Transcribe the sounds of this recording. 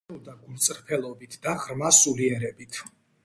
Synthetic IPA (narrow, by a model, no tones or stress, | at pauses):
ɔd̪aɡunt̪sʼɾpʰɛlˠɔbit̪ʰd̪aʁɾmasuliɛɾɛbit̪ʰ